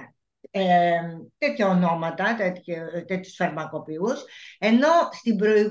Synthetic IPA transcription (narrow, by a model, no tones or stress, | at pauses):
t̪e̞t̪çɐono̞mɐt̪ɐt̪et̪çt̪et̪çu̥sfɐɾmɐko̞piuse̞no̞st̪imbɾo̞i